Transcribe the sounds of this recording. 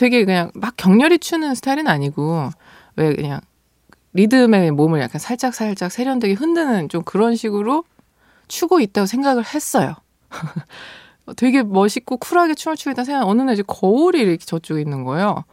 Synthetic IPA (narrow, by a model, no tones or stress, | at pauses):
twe̞ɡe̞kɯɲaŋmak͈jʌŋɲʌɾit͡ɕʰunɯnsʰɯ̥tʰaiɾɯnaɲiɡo | we̞kɯ̰ɲa̰ŋ | ɾidɯme̞momɯɭja̰kʰansʰaɭt͡ɕ͈ak̚s͈ʰaɭt͡ɕ͈ak̚sʰe̞ɾjʌndweɡeɦɯndɯnɯnt͡ɕomkɯɾʌnɕʰiɡɯɾo | t͡ɕʰuɡoit̚t͈aɡosʰeŋɡaɡɯɭhe̞s͈ʌjo̰ | twe̞ɡe̞mʌɕʰik̚k͈okʰuɾaɡet͡ɕʰumot͡ɕʰuɡoit͈ansʰeŋɡaŋʌnɯned͡ʑekʌuɾiɾʌkʰet͡ɕʌt͡ɕ͈uɡinːɯnɡʌjo